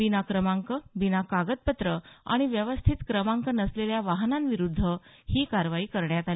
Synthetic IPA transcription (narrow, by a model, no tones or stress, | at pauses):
binakɾəmaŋkəbinakaɡət̪̚pət̪ɾəa̰ɽ̃iʋjəʋəst̪ʰit̪kɾəmaŋkənəsleljaʋaɦnanʋiɾud̪ʱːə | hiːkaɾʋaiːkəɾɳjat̪al